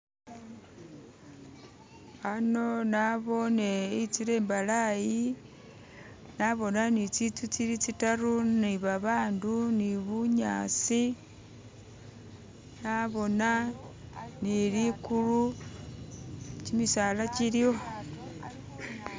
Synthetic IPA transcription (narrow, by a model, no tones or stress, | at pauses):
ano̞naβo̞neit͡siɾe̞ːmbalaji | naβo̞nanit͡sit͡sut͡siɾit͡sitaruniβaβaːnduniβuɲa̰t͡si | naβo̞na | nilikulu | t͡ʃimisaːlat͡ʃiɾio̞